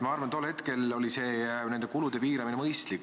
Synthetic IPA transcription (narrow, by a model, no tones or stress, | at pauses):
mɑɑrvɑnt̪o̞lːhe̞t̪ke̞lo̞lise̞ːnend̪ekulud̪̥e̞piːɾɑminemɤjst̪lik